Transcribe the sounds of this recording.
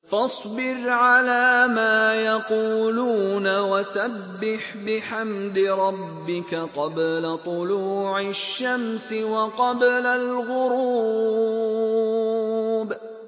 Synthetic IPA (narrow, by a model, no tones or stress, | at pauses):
fɑsˤbɪɾʕalaːmaːjɑquːluːnawasabːɪħbɪħamd̪ɪɾˤɑbːɪkaqɑblat̪ˤʊluːʕaʃːamsɪwɑqɑblalɣʊɾuː | b